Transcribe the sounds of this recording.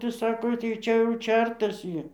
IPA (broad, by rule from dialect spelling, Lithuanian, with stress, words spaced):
tɐɪ ˈsɑːkoː tɐɪ ˈt͡ʃʲɛ jɛʊ ˈt͡ʃʲɛrtɐs ˈjiː